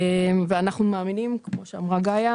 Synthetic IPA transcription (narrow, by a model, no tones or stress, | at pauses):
emveanaχnumaːminimkmo̞ʃea̰mʁaɡaja